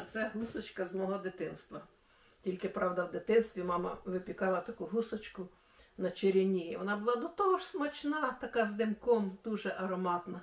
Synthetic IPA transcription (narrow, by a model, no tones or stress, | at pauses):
t̪sɛɦusɔt͡ʃkɐzmɔɦɔd̪ɪt̪ɪnst̪ʋɐ | tʲilʲkɪpɾɑwd̪ɐwd̪ɪt̪ɪnst̪ʋʲimɑmɐ̰ʋɪpʲikɑlˠɐt̪ɐkuɦusɔt͡ʃkʊ | nɐt͡ʃeɾʲinʲiiʋɔnɑbʊlˠɑd̪ɔt̪ɔɦɔʃsmɔt͡ʃnɑt̪ɐkɑzd̪ɪmkɔmd̪̥uʒɛʔɐɾɔmɑt̪nɐ